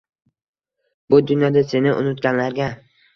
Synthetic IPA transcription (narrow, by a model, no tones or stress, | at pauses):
bʊd̪ʊnjɒd̪ase̞nɪʔʊ̰nʊt̪̚ɡʲanlaɾɡʲa